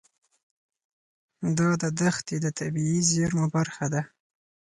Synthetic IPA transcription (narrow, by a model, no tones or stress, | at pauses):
d̪ɑd̪əd̪axt̪ed̪ət̪ʰabiizeɾmobaɾxad̪a